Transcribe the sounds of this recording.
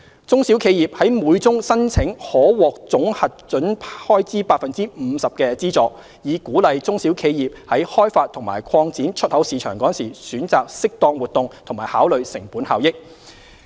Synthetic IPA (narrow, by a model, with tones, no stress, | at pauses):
t͡sʊ˥ŋsi˨˥wkʰe˨˧jiː˨p̚hɐ˨˥jmuː˨˧jt͡sʊ˥ŋsɐ˥nt͡sʰɪ˨˥ŋhɔː˨˥wɔː˨˩k̚t͡sʊ˨˥ŋhɐ˨t̚t͡ʃɵ˨˥npʰhɔː˥jt͡siː˥paː˧t̚fɐ˨nt͡siː˥m̩ː˨˧sɐ˨p̚kɛː˧t͡siː˥t͡sɔː˨˧ | jiː˨˧kuː˨˥lɐ˨jt͡sʊ˥ŋsiː˨˥wkʰe˨˧jjiː˨p̚hɐ˨˥jhɔː˥jfaː˧t̪ʰʊ˨˩ŋma̰ː˨˩jkʰɔː˧ŋt͡siː˨˥nt͡ʃʰɵ˥t̚hɐ˨˥wsiː˨˧t͡ʃʰœː˨˩ŋkɔː˨˥nsḭː˨˩syː˨˥nt͡saː˨k̚sɪ˥k̚t̪ɔː˧ŋwuː˨t̚t̪ʊ˨ŋt̪ʰʊ˨˩ŋmaː˨˩jhaː˨˥wlɵ˨ɥsɪ˨˩ŋpuː˨˥nhaː˨wjɪ˥k̚